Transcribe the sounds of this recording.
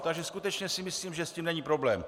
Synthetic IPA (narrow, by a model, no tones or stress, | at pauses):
t̪aɡʒɛskut̪ɛt͡ʃɲɛsɪmɪsliːmʒɛsciːmnɛɲiːpɾoblɛːm